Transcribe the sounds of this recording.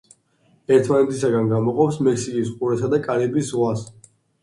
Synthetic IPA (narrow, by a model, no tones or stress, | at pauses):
ɛɾt̪ʰmanɛt̪ʰisaɡanɡamɔqʼɔpsmɛksikʼisqʼuɾɛsad̪akʼaɾibisʁwas